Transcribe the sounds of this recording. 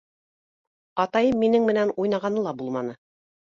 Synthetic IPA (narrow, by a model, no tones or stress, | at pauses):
ɑt̪ɑjɤmːinɘŋmɘ̆nænujnɑʁɑnɤlˠɑbulˠmɑnɤ